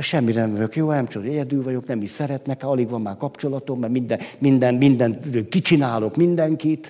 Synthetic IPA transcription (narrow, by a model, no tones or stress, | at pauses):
ʃɛmːiɾnɛmvɒɟo̞kjoːnɛmt͡ʃod̪oɛɟɛd̪yːlvɒɟo̞knɛmiʃsɛɾɛt̪nɛkɒliɡʋɒmːaːrkɒpt͡ʃo̞lɒt̪omːɛmind̪ɛmind̪ɛnmind̪ɛnt̪øːkit͡ʃinaːlokmind̪ɛŋkit̪